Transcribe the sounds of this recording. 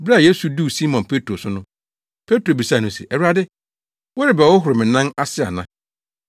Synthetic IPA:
bɾje˦su˨du˦˨si˦mɔ̃˨npʰe˦tʰɾo˨sʊ˦nʊ̃˦ | pʰe˦tɾo˨bi˨saː˦˨nʊ̃˨sḭ˨ʔɛ˨wɾa˦dɪ˦ | wɔ˦ɾɪ˨bɛ˨wɔ˦ɦʊ˨ɾɪ˨mɪ̃˨nã˦na˦sɪ˦a̰˨nã˦

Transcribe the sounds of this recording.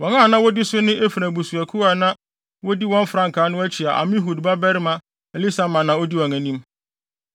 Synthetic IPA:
wɔ̃˨ŋã˦˨nã˦wɔ˦dɪ˦sʊ˦nɪ̃˦e˦fɾæ̃˨bu˨su˨æ˨kʰu˦a˨nã˦ | wɔ˦di˦wɔ̃˦n˦fɾã˦ŋ̩˨kʰaː˨˦nʊ̃˦æ˦t͡ɕʰi˨a˨ʔa̰˨mɪ̃˦ɦu˨dba˦bɛ˦ɾɪ˦mã˦ | ɛ˨li˦sa˨mã˨nã˨ɔ˦di˦wɔ̃˨ŋæ̃˨nĩ˦m

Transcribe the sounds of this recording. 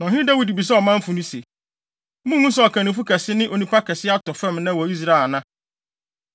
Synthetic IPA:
nã˨ɦɪ˦dɛ˦wi˨di˨bi˨s̬ɛ˦ɔ˨mã˦m̩˦fũ˨nũ˦se˨˦ | mũ˦hũ˦sɛ˦ɔ˨kʰã˨nĩ˨fu˦kʰɛ˨sɪ˦nɪ̃˦ʔo˨nũ˦pʰa˦kʰɛ˨sɪ˦a˦tɔ˨fɛ̃˦˨mnã˦˨wɔ˨i˦s̬ɾa˦˨nã˦

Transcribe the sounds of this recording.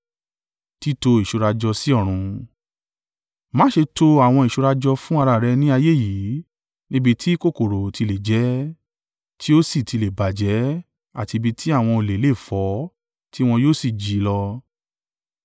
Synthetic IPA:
ti˦to˧i˨ʃu˨˧ɾa˧d͡ʒɔ˧si˦ɔ˦˨ɾ̃ũ˧ | mã˨˦ʃe˧to˧a˦˨w̃ɔ̃˧i˨ʃu˧ɾa˧d͡ʒɔ˧fũ˦a˧ɾa˧˨ɾɛ˧nĩ˦a˧je˦˨ji˨˦ | nĩ˦bi˧tʰi˦ko˦˨ko˨ɾo˨tʰi˧le˨d͡ʒɛ˨˦ | tʰi˦o˦si˦˨ti˧le˨ba˨d͡ʒɛ˨˦ | a̰˦˨ti˧bi˧tʰi˦a˦˨w̃ɔ̃˧o˧˨le˨˦le˦˨fɔ˨˦ | ti˦w̃ɔ̃˧joː˦˨si˦˨d͡ʒi˨˦lɔ˧

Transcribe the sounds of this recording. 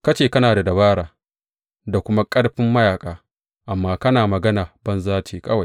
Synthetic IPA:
kɐ˦t͡ʃeː˨kɐ˦naː˨da˨dɐ˨βaː˦ɽaː˨ | da˨kʷʊ˦ma˦kʼɐ˦ɽɸɪ˦mːɐ˦jaː˨kʼaː˨ | ʔa˨mːaː˦kɐ˦naː˨mɐ˨ɡɐ˦naː˨b̥ɐ˦nzaː˦t͡ʃiː˨kʰɐ˦wa˨

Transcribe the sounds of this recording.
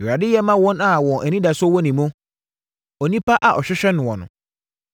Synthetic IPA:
a˨dɪ˦jɛ˦mã˦wɔ̃˦na˨wɔ̃˨nʔɛ˨nĩ˦da˨sɔ˦wɔ̃˦nĩ˨mʊ̃˦ | ɔ˨nĩ˦pa˦ʔa˨ʔɔ˨ɕᶣɛ˦ɕᶣɛ˦nʊ̃˨wɔ̃˨nʊ̰̃˨

